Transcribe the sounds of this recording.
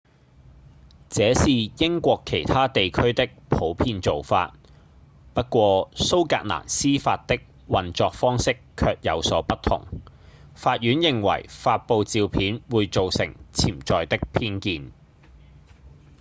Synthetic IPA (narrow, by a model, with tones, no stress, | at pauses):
t͡sɛː˨˥siː˨jɪ˥ŋkʷɔː˧kʰːe˨˩jt̪ʰaː˥t̪e˨jkʰɵ˥ɥt̪ɪ˥k̚pʰo˨˥wpʰiː˧nt͡so˨wfa̰ː˧t̚ | pɐ˥t̚kʷɔː˧so˥wka̰ː˧k̚la̰ː˨˩nsiː˥faː˧t̚t̪ːɪ˥k̚ | wɐ˨nt͡sɔː˧k̚fɔː˥ŋsɪ˥kʰːœː˧k̚jɐ˨˧wsɔː˨˥pɐ˥t̚t̪ʰːʊ̰˨˩ŋ | faː˧t̚jyː˨˥njɪ˨ŋwɐ̰˨˩jfaː˧t̚po˨˧wt͡siː˨˧wpʰiː˨˥nwuː˨˧jt͡so˨wsɪ̰˨˩ŋt͡sʰiː˨˩mt͡sɔː˨jt̪ɪ˥k̚pʰiː˥nkiː˧n